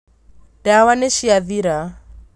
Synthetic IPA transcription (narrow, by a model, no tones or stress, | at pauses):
d̥awanɛʃiaðiɾa